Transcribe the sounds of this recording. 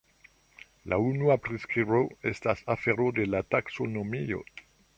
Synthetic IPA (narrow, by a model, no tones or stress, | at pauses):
lʔa̰unuapɾeskɾiboestasafeɾod̪elataksonomio̰